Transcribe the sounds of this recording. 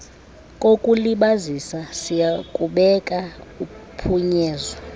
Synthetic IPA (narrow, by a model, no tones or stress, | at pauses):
kʼokʼuliɓazisasijakʼuɓɛkʼaupʰuɲɛːzɔ